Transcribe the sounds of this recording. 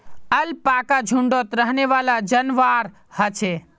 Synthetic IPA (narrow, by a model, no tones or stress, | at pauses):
əlpakad͡ʒʱuɳɖot̪ɾəɦneʋalad͡ʒənʋaɾ | hət͡ʃʰe